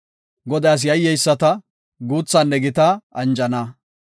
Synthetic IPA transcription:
ɡɔd̪aːs̬jɐjːɛjsːɐt̪ɐ | ɡuːt͡sːɐnːɛɡɪt̪ɐʔɐnd͡ʒɐnɐ

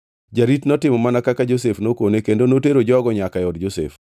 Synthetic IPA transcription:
d͡ʒaɾitnɔtɪmɔmanakakad͡ʒos̬efnokonekendonoteɾod͡ʒɔɡɔɲakajɔdd͡ʒosḛf

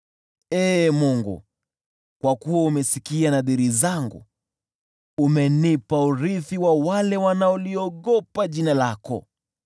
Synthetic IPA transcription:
ɛːmuŋɡṵ | kwakuwaumɛsikianaɗiɾizaŋɡṵ | umɛnipauɾiθiwawalɛwanaɔliɔɠɔpaʄinalakɔ̰

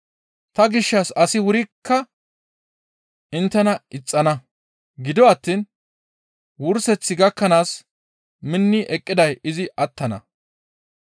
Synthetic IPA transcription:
t̪ɐɡɪʃːɐsɐsɪwʊɾɪkːɐ | ɪnt̪ːɛnɐʔɪt͡sʼːɐnɐ | ɡɪd̪ɔɐt̪ːiːn | wʊɾsɛt͡sːɪɡɐkːɐnaːs | mɪnːɪʔɛkʼːɪd̪ɐjɪzɪʔɐt̪ːɐnɐ̰

